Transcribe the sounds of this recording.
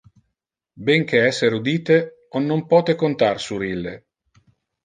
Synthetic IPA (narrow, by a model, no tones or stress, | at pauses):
beŋk̟eɛsːeɾud̪iːt̪e | onːompɔːt̪ekont̪arsuɾilːe